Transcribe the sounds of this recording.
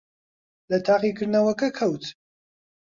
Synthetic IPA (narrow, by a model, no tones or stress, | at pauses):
lɐt̪ʰaːqikʰɨɾnɐwɐkɐkʰɐwt̪ʰ